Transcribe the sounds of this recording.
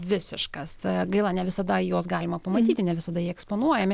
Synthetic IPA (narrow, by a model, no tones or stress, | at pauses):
ʋʲɪsʲɪʃkɐsɡɐɪlˠɑːnʲɛʋʲɪsɐd̪ɐjoːsɡɑːlʲɪmɐpɐmɐt̪ʲiːt̪ʲɪnʲɛʋʲɪsɐd̪ɐjiɛɛkspoːnuɔjɛmʲɪ